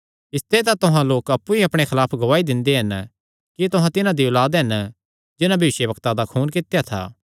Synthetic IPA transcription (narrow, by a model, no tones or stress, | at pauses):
ɪst̪et̪̬at̪ʊɦãloːkɐpːuiɐpɽ̃exʰɐlaːpʰɡɐʋaːid̪ɪ̃nd̪eɦɐn | kit̪ʊɦãt̪ɪnãd̪iolaːd̪ɦɐn | d͡ʒɪnãbʱɐʋɪʃjəbɐkt̪ad̪akʰuːnkɪt̪jat̪ʰa̰ː